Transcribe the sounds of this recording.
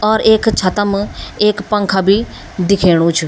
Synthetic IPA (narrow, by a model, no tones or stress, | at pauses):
ɔːɾeːkt͡ʃʰɐt̪əmeːkpə̃ŋkʰabi | d̪ɪkʰeːɽ̃ũt͡ʃʰʊ